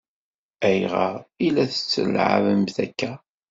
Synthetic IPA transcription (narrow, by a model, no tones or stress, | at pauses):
æjʁɑʁilæθə̥t͡sːə̰lʕa̰vəmθækːæ